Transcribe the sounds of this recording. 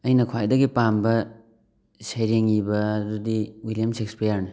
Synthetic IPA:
ɐjnɐkʰwajdɐɡipambɐ | sejɾeŋibɐːdudiwiljamsekspijaɾne

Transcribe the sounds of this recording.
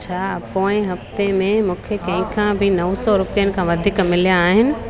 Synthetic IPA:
t͡ɕʰaːpoːɪ̃ɦɐft̪emẽmũːkʰekɐ̃ɦɪ̃kʰãbʱɪnɐʋsɔɾʊpijənɪ̆kʰãʋɐd̪ʱiːkmɪljãːɦɪnɪ̆

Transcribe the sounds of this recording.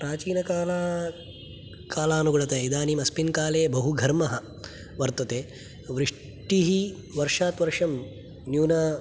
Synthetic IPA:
pɾaːt͡ʃiːnɐkaːlaː | kaːlaːnuɡuɭɐt̪ɐid̪aːnimɐspinkaːleːbɐɦuɡʱɐɾmɐɦɐ | ʋɐɾt̪ɐt̪eː | ʋɾiʂ | ʈiɦi | ʋɐɾʂaːt̪ʋɐɾʂɐm | njuːnaː

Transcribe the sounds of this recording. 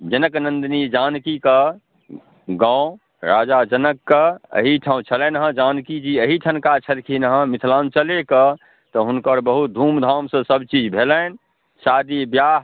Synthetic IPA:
d͡ʒənəknənd̪nid͡ʒankikə | ɡãʊ̃ | ɾad͡ʒad͡ʒənəkːəə̰ɦiʈʰãũt͡ʃʰəlɛnɦə̃d͡ʒankid͡ʒiəɦiʈʰənkat͡ʃʰəɾkʰinɦə̃mit̪ʰlant͡ʃəlekə | t̪ɔɦunkəɾbəɦut̪̚d̪ʱumd̪ʱamsə̃səbt͡ʃid͡ʒbʱelən | sad̪ibjaːɦ

